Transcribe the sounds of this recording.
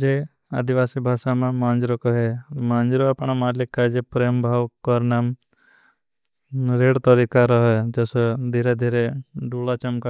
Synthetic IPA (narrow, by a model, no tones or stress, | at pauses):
d͡ʒe | a̰d̪iʋaːsibʱaːʃamãmãːnd͡ʒɾokɔɦemãːnd͡ʒɾoapɳ̃amaːlɪkːad͡ʒepɾeːmbʱaːwkɔɾnaːm | ɾeːɽt̪ɔɾikaɾɔɦɔd͡ʒɔsɔd̪ʱiɾed̪ʱiːɾeɖuːlat͡ʃəmka